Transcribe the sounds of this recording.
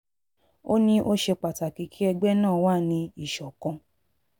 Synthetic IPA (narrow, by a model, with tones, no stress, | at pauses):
o˦nĩ˧ʔo˦ʃe˧k͡pa˨ta˨ki˨˦kʰi˦ɛ˧ɡ͡bɛ˦nãː˦˨waː˦˨nĩ˧i˨ʃɔ˨kɔ̃˧